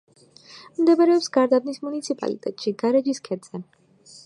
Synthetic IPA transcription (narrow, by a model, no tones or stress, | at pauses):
md̪ɛbaɾɛɔpsɡaɾd̪avnismunit̪sʰipʼa̰lḭt̪ʼɛ̰t̪ʼʃiɡaɾɛd͡ʒiskʰɛd̪z̥ɛ